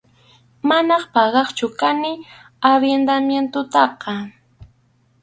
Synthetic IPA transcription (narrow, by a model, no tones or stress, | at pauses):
manɑχpɑɢɑχt͡ʃʊkanɪ | aɾjend̪amjent̪ʊt̪ɑqɑ